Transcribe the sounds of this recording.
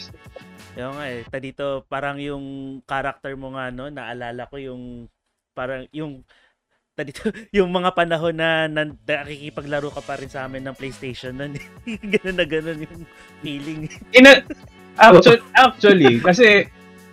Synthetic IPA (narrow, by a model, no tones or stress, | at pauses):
ʔoːŋaʔɛt̪ɐd̪it̪o̞paːɾɐŋjʊŋkaɾɐk̚t̪ɛɹmoŋano̞nɐʔɐlaːlɐko̞jʊŋ | paːɾɐŋjʊŋ | t̪ɐd̪iːt̪ojʊŋmɐŋapɐnɐɦo̞nːɐnɐɐkikipɐɡlɐɾuːkɐpɐɾɪnsʔaːmɪnːɐŋplejst̪ejʃonːonɛ | ɡɐno̞nːɐɡɐno̞njʊŋ | fiːlɪŋɪna | ʔakɐʔak̚t͡ʃ̪wɐlikɐsɛ